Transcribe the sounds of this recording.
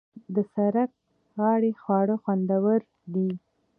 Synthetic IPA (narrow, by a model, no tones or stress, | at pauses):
d̪əsaɾak̚ | ɣɑɽexwɑɽəxwand̪awəɾ | d̪i